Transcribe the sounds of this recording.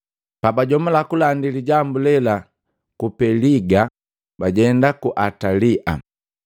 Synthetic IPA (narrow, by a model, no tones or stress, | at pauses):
pabaɟɔmulakulandiliɟambulɛla | kupɛliɡa | baɟɛndakuʔataliʔa̰